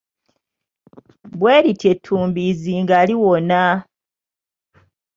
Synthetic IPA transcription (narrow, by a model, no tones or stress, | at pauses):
bweːɾitʰe̞tʰːuːmbiziŋɡaːliwona